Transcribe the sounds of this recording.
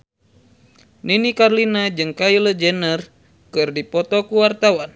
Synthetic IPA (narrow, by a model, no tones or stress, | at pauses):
ninikarlinad͡ʒɨŋkailəd͡ʒənər | kɨrdipɔt̪ɔkuwart̪awan